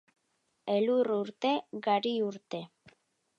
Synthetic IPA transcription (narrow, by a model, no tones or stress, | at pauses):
eluruɾt̪e̞ɡaɾiuɾt̪e̞